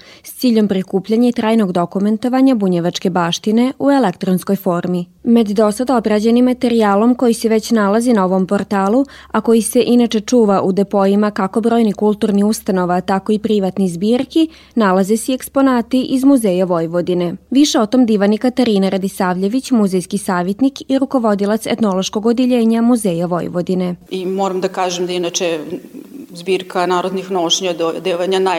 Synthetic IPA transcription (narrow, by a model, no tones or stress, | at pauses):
st̪siːʎo̞mpɾikuːpʎaɲait̪ɾaːjno̞ɡd̪o̞kume̞nt̪o̞ʋaɲabuɲeʋat͡ʂke̞baːʃt̪ine̞ʔue̞lekt̪ɾonsko̞jfo̞ːɾmimed̪d̪o̞sad̪aobɾad͡ʑenimːat̪e̞ɾiaːlˠo̞mko̞jiseʋe̞t͡ɕnalazinao̞ʋo̞mpo̞ɾt̪aːlˠu | ako̞jise̞ʔinat͡ʃe̞t͡ʂuːʋaʔud̪e̞po̞jimakako̞bɾo̞ːjnikulˠt̪uːɾniust̪ano̞ʋat̪ako̞ipɾiʋat̪nizbiːɾki | nalaze̞sie̞kspo̞naːt̪iʔizmuzejaʋo̞jʋo̞d̪ine̞ʋiʃeo̞t̪o̞md̪iʋanikat̪aɾiːnaɾad̪isaːʋʎe̞ʋit͡ɕmuzejskisaːʋjet̪nikiɾuko̞ʋo̞d̪ilˠat̪sḛt̪no̞lˠo̞ʃko̞ɡod̪jeʎe̞ːɲamuze̞ːjaʋo̞̰j̰ʋod̪ine̞imoːɾamd̪akaːʒemd̪ainat͡ʃe | zbiːɾkʰanaːɾod̪nixnoʃɲad̪d̪eʋaɲana